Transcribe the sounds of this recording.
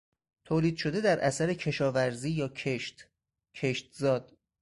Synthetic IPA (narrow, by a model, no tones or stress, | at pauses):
t̪ʰoːliːd̪̥ʃo̞d̪e̞d̪æɾʔæsæɾecʰe̞ʃɒːvæɾziːjɒːcʰeʃt̪ | cʰe̞ʃt̪zɒːd̪̥̚